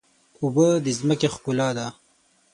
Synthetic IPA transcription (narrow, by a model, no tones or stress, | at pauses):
ubəd̪əzməkexkulɑd̪a